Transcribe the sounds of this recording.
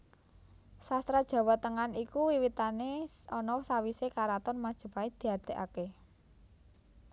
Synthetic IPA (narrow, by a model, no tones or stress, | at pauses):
sast̪ɾad̥ʒ̥ä̤wat̪əŋanikuwiwit̪aneɔnɔsawisekaɾat̪ɔnmad̥ʒ̥ə̤paed̪̥i̤ɦad̪̥e̤ʔa̰ke